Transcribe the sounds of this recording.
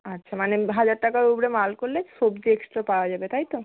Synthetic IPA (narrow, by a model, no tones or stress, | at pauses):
atːɕʰamaneɦad͡ʑaɾʈakaɾubɾemalkoɾleʃobd͡ʑieksʈɾapaoad͡ʑabet̪ajt̪o